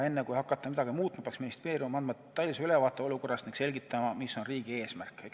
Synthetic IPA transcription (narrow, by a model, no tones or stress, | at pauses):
e̞nːekujhɑkːˑɑt̪ːˑɑmid̪ɑɡ̥imuːt̪̚ːˑmɑpeɑksminist̪e̞ːɾimɑmɑnd̪mɑt̪ːɑjlːiseylevɑːt̪ːˑeoluko̞rːɑst̪niŋɡ̥se̞lʲɡit̪ːˑɑmɑmisːo̞nriːɡ̥ie̞ːsmærkˑːek